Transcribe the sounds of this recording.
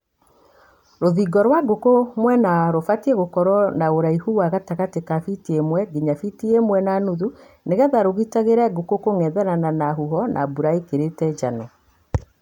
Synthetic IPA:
ɾoðiɡɔɾwaɡokomwɛnaɾofatiɛɣokɔɾɔnaoɾaihuwaɣataɣatekafitiemwɛɡeɲafitiemwɛnanuðu | neɣɛðaɾoɣitaɣeɾɛɡokokoŋɛðɛɾananaɦuɦɔnʔa̰buɾaekeɾetɛd͡ʒanɔ

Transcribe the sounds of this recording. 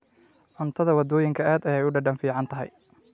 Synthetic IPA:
ʕʊnt̪ʰɐðɐwɑd̪ɔːjɪŋkʰɐaːd̪ɐjɛjʊɖɐɖɐnfiːʕɑnt̪ʰɐɦɛ̰j

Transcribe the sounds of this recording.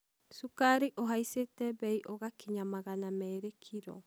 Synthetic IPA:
sukaɾiʔoɦaisetɛβɛiʔɔɣakiɲamaɣanamɛːɾekʰiɾɔ̰

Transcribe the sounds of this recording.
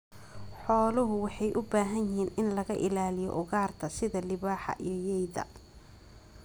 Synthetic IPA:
ħɔːlʊɦʊwɑħɑjʔʊbaːɦɐnjɪɦiːnɪnlɐɣɐʔɪlaːlɪjɔ̰ʔʊɣaːrt̪ʰɐsɪðɐlɪβaːħɑ̰ʔijɞjɛjðɐ̰

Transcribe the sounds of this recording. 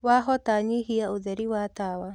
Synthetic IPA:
waɦɔtaɲiɦiaoðɛɾiwatawa

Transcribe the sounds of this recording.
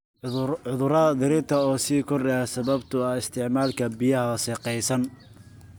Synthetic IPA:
ʊðʊɾɐɐd̪ɪɾɪt̪ʰɐɔːsiːkʰɔrdɛjasɐβɐbt̪ʰʊɐɪst̪ʰɪʕmaːlkʰɐbɪjɐɦɐʃɛːqɛjsɐn

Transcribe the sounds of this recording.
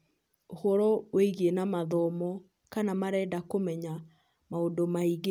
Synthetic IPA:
ohɔɾɔweiɣenamaðɔmɔ | kanamaɾɛdakomɛɲa | maondomaiɣe

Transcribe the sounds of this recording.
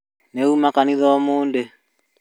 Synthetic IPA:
neumakaniðɔɔmoːnde

